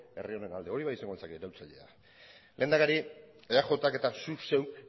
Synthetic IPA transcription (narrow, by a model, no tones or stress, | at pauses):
e̞̰rio̞ne̞nald̪e̞o̞ɾiβajisaŋɡolsakeɾawt͡saʎe̞̰a̰ | lʔe̞ːnd̪akaɾi | eaxo̞t̪ake̞t̪asuse̞w